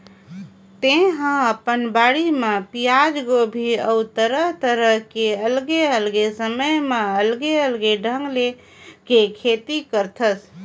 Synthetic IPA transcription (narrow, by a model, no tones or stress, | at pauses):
t̪eɦãəpənbaɽimepijad͡ʒɡobʱiəut̪əɾəɦt̪əɾəɦkeəlɡeəlɡesəməjmeəlɡeəlɡeɖʱə̃ŋɡle | kekʰet̪ikəɾt̪ʰəs